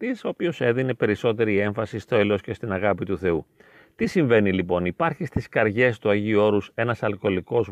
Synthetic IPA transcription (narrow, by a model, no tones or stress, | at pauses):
t̪isopço̞se̞ðine̞pe̞ɾiso̞t̪e̞ɾie̞ɱfɐsist̪oelo̞sce̞st̪inɐɣɐpit̪uθe̞u | t̪isiɱve̞nilipo̞nipɐɾçist̪iskɐɾʝe̞st̪uɐʝiuo̞ɾuse̞nɐsɐlko̞liko̞z